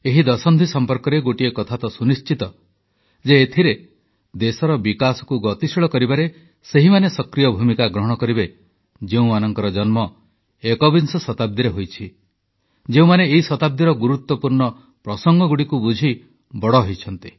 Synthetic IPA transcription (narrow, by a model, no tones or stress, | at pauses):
eɦid̪ɔsɔnd̪ʱisɔmpɔɾkɔɾeɡoʈiekɔt̪ʰat̪ɔsunist͡ʃit̪ɔ | d͡ʒeːt̪ʰiɾe | d̪esɔɾɔbikasɔ̥kuɡɔt̪isiɭɔkɔɾibaɾe | seɦimanesɔkɾijɔbʱumikaɡɾɔɦɔɽ̃ɔkɔɾibe | d͡ʒeũmanɔŋkɔɾɔd͡ʒɔnmɔ | ekɔbinsɔsɔt̪ab̚d̪iɾeɦojt͡ʃʰi | d͡ʒeũmaneːɦisɔt̪ab̚d̪iɾɔɡuɾut̪wɔpuɾɳɔ | pɾɔsɔŋɡɔɡuɽikubud͡ʒʱi | bɔɽɔɦojt͡ʃʰɔnt̪i